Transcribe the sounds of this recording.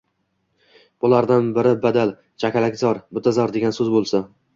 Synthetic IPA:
b̥ʊlaɾd̪anbɪɾɪbad̪al | t͡ʃʰakʲalakʲzɒɾbʊt̪ʰːazɒɾd̪e̞ɡʲansɵzbolˠsa

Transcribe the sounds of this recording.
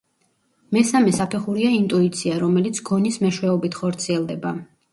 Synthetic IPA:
mɛsamɛsapʰɛχuɾiaint̪ʼuit̪sʰiaɾɔmɛlit̪sʰɡ̥ɔnismɛʃwɛɔbit̪ʰχɔɾt̪sʰiɛlˠd̪ɛba

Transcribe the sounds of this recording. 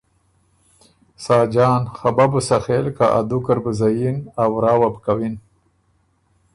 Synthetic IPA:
sɑːd͡ʒɑːnxababusaxelkaʔa̰d̪ukaɾbəzajinawɾɑːwabkawin

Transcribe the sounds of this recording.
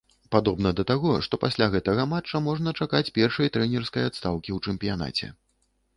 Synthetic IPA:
pad̪ɔbnɐd̪ɐt̪aɣɔʂt̪ɔpasʲlʲaɣɛt̪ɐɣɐmat͡ʂːɐmɔʐnɐt͡ʂakat͡sʲpʲɛrʂɐjt̪ɾɛnʲɛrskɐjat̪st̪awkʲiwt͡ʂɛmpʲijan̪a̰t͡sʲɛ̰

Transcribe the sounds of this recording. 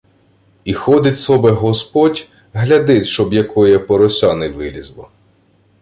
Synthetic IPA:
ixɔd̪ɪtʲsɔbɛɦɔspɔtʲ | ɦlʲɐd̪ɪt̪ʲʃt͡ʃɔbjɐkʰɔjɛpɔɾɔsʲɑnɛʋɪlʲizlˠɔ̰

